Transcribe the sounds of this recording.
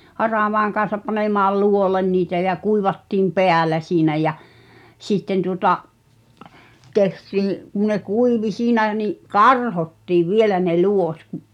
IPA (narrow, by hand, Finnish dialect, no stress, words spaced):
hɑrɑˑʋɑˑeŋ kɑ̃ːsɑp pɑnemɑːl luolen niːtæ jæ kuiʋɑtːiːm peælˑæ siːnæ jæ sitːen tuŏtɑʔ tehtiː kun̆ ne kuiʋi siːnæ niʔ kɑrhotːiːʋ ʋielæ ne luot kuʔ